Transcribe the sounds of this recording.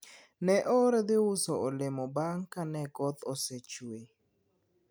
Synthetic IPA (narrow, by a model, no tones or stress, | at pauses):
nɛʔɔɾɛd̪ɪwʊsɔɔlɪmɔbaŋkanɛɡɔt̪ɔset͡ʃwe